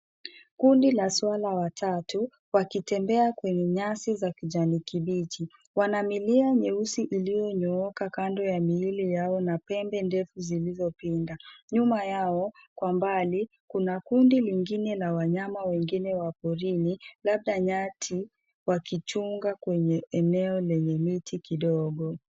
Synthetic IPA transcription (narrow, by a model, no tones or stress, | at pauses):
kundilaswalawatʰatu | wakitɛmbɛakwɛɲɛɲasizakiʄanikiɓit͡ʃi | wanamiliaɲɛusiʔilijɔɲɔɔkakandɔjamiilijaɔnapɛmbɛndɛfuzilizɔpindaɲumajaɔkwambali | kunakundiliŋɡinɛlawaɲamawɛŋɡinɛwapɔɾinilaɓ̚ɗaɲatʰi | wakit͡ʃuŋɡakwɛɲɛɛnɛɔlɛɲɛmitʰikiɗɔɠɔ